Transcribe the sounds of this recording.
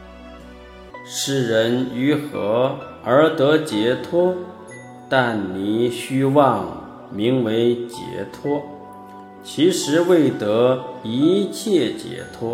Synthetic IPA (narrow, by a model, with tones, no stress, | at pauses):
ʂɻ̩˥˩ɻə˧˥ny˧˥xɤ˧˥ | ə˞˧˥t̪ɤ˧˥t͡ɕjɛ˧˥t̪ʰwɔ˥ | t̪a˥˩nni˨˩ɕy˥wɑ˥˩ŋ | mi˧˥ŋwe˧˥ɪt͡ɕjɛ̰˧˥t̪ʰwɔ˥ | t͡ɕʰi˧˥ʂɻ̩˧˥we˥˩ɪt̪ɤ˧˥i˧˥t͡ɕʰjɛ˥˩t͡ɕjɛ̰˧˥t̪ʰwɔ˥